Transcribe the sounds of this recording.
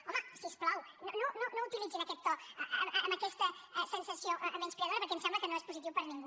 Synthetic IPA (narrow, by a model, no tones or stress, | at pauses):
ɔməsiəsplawnonononout̪ilid͡zinəkɛt̪ːɔəəmːməkɛst̪əɛsənsəsioʔəmenspiəðoɾəpəɾkɛmsɛmbləkənoespuzit̪iwpəɾniŋɡu